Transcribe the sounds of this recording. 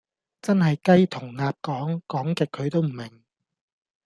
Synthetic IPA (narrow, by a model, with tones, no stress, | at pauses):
t͡sɐ˥nɦɐ˨jkɐ˥jt̪ʰʊ˨˩ŋnaː˨p̚kɔː˨˥ŋkɔː˨˥ŋkɪ˨kʰːɵ˨˧ɥt̪o˥wm̩˨˩mɪ˨˩ŋ